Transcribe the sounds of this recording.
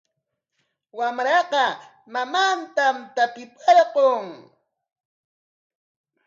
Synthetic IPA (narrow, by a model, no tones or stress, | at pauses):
wamɾɑqɑ | mamant̪amt̪apɪpɑɾqoŋ